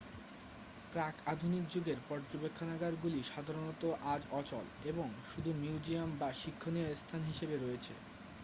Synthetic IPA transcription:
pɾakad̪ʱunik̚d͡ʑuɡeɾpɔɾd͡ʑobekʰːonaɡaɾɡuliʃad̪ʱaɾonɔt̪oʔad͡ʑɔt͡ɕɔ̰leboŋʃud̪ʱumiud͡ʑiambaʃikʰːoniast̪ʰanɦiʃebeɾoet͡ɕʰḛ

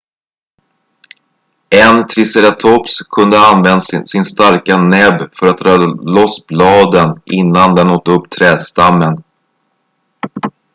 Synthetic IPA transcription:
ɛnt̪ʰɾɪsəɾat̪ʰɔpskʰɵnd̪əanvɛnd̪sɪnst̪aɾkanɛbfœɾat̪̚dɾɑlɔsblɑːd̪ənʔɪnːand̪ɛnoːt̪ːɵpːt̪ʰɾɛːd̪st̪amːən

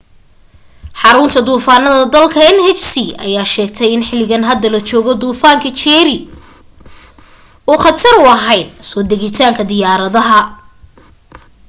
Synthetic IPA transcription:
ħɑɾʊnt̪ʰɐd̪uːfaːnɐðɐd̪ɐlkʰɐɛnhɛt͡ʃsiɐ̰jaːʃɛːɡ̚t̪ʰɛjɪnħɪlːɪɣɐnɦɐd̪ːɐlɐt͡ʃɔːɣɔd̪uːfaːŋkʰɐt͡ʃɛːɾɪ | uːχɑt̪ʰɐɾʊɐɦɛjd̪̚sɔːd̪ɛɣɪt̪ʰaːŋkʰɐd̪ɪjaːɾɐðɐɦɐ

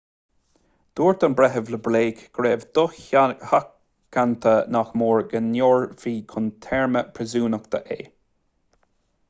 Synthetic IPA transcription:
d̪̥uːɹt̪ənbɾɛɦəvləbleːkɡ̥ɾeːvd̪̥ʊxhakː | ant̪ʰənaxmoːɹɡənjoːɹviːkʰʊnt̪ʰɛɹməpʰɾəzuːnəkt̪ə̰ʔḛː

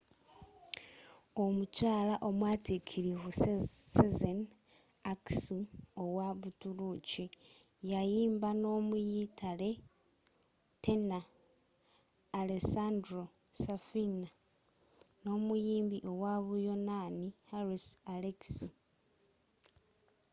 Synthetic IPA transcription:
o̞mucaːlaʔo̞mwaːtikʰiɾivusezen | aksuo̞waβutuluci | jajiːmbano̞ːmujitʰale̞ | te̞na | lesandɾo̞ | safina | no̞mujiːmbiʔo̞waβujo̞nanihaɾisaleksi

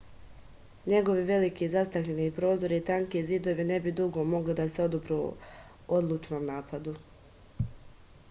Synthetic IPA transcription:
ɲe̞ɡo̞ʋiʋe̞likiːzast̪akʎenipɾo̞ːzo̞ɾiːt̪aŋkeziːd̪o̞ʋine̞bid̪uɡo̞mo̞ɡlid̪aseo̞d̪obɾu | od̪lˠuːt͡ʃno̞ːmnaːpad̪u

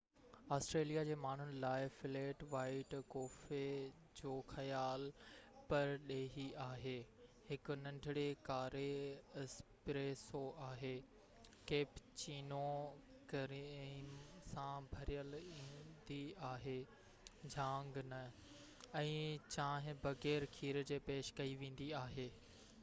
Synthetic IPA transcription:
aːsʈɾeːlijad͡ʑeːmaːɳ̤ʊnɪ̆laːɪfɪleːʈʋaːɪʈkoːfe | d͡ʑoːxɐjaːlpɐɾɗeːɦiaːɦeːhɪkʊ̆nɐ̃ɳɖʱɪɽekaːɾeɪspɾeːsoʔaːɦeː | keːpt͡ɕiːno | kɐɾiːmsãbʱɐɾijəlĩːnd̪iaːɦeː | d͡ʑʱãːŋɡnɐ | ɛ̃ːt͡ɕãːɦɪ̃bɐɣɛːɾkʰiːɾd͡ʑeːpeːʃkɐiʋẽːn̆d̪iaːɦeː

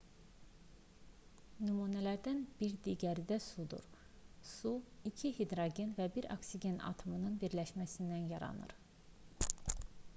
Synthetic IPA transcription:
nymuːnælæɾd̪ænb̥iɾd̪iɟæɾd̪æsud̪ṵɾ | suicʰihid̪ɾoɡenvæbiɾo̰ksiɟe̞nɑ̰t̪ʰomɯnɯnbiɾlæʃmæsind̪ænjɑɾɑ̰nɯ̰ɾ

